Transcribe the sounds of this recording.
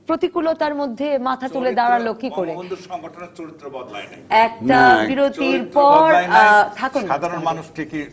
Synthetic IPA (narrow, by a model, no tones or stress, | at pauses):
pɾot̪ikulot̪aɾmod̪ʱːemat̪ʰat̪uled̪aɽalokikoɾe | d̪ɛk̚ʈabiɾot̪iɾpɔɾt̪ʰakunad̪ʱaɾonmanuʃʈʰiki